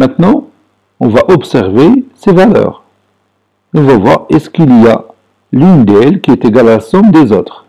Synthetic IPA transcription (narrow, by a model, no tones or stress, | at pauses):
mɛ̃t̪nɑ̃ | ɔ̃vaʔɔpsɛʁvesevalœ̰ːʁ | eɔ̃vavwa̰ʁɛskilija | lynd̪ɛlkiɛt̪eɡalalsɔ̃bd̪ezo̰ːt̪χ